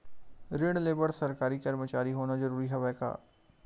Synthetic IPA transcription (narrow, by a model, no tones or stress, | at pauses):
ɾɪɽ̃leːbəɽsɐɾkaːɾikɐɾmət͡ʃaːɾiɦoːnazɐɾuːɾiɦɐʋɛːka̰ː